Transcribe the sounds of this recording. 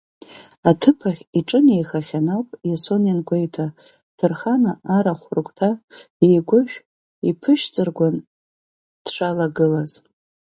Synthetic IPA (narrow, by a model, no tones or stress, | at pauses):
atʰɨpʰaχʲiʈ͡ʂʼɨnejχaχʲanawpʼjaso̞njanɡʷejtʰa | tʰɨrχanaaɾaχʷʊrkʷʼtʰajejɡʷʊʒᶣ | ipʰɨʃt͡sʼɨrɡʷan | d̥ʂʷalaɡɨlaz